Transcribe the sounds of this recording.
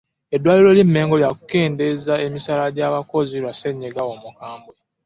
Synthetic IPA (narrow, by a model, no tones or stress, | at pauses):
e̞dːwaːliɾo̞lim̩me̞ːŋɡo̞ljaku̥ke̞ːnde̞zae̞misalaɟaːβako̞ziɾwase̞ɲːeɡawomukaːmbwe